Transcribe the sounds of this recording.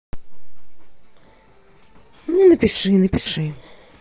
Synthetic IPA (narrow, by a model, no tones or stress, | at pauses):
nunɐpʲiʂɨnɐpʲiʂɨ